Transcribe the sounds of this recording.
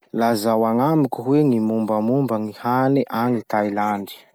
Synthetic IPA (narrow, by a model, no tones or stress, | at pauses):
lazawaŋamikuɦwenimumbamumbaŋihaniʔanit̪ajlaɳɖ͡ʐi̥